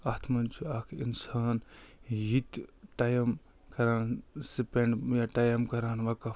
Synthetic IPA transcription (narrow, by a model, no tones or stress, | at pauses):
ɐt̪ʰmɐnt͡ʃʰiɐkʰinsaːnjit̪ʈajɐm | kɐɾaːnsipeɳɖjaʈajɐmkɐɾaːnʋɐkɐ